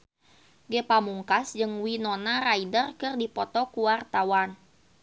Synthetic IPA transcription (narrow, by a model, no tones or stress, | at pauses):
ɡepamuŋkasd͡ʒɨŋwinɔnaraidərkɨrdipɔt̪ɔkuwart̪awan